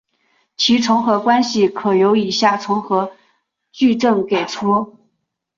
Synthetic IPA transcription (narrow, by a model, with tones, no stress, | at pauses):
t͡ɕʰi˧˥ʈ͡ʂʰʊ˧˥ŋxɤ˧˥kwa˥nɕi˨kʰɤ˨˩jo˧˥ʊi˨˩ɕja˥˩ʈ͡ʂʰʊ˧˥ŋxɤ˧˥ | t͡ɕy˥˧ʈ͡ʂɤ˥˩ŋke˨˩ɪʈ͡ʂʰɔ˥